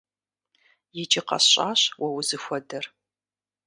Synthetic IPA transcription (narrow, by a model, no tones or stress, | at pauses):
jɪd͡ʒʼɪqɐ̰sɕʼaːɕwɐwʊzɨxʷɔdɐr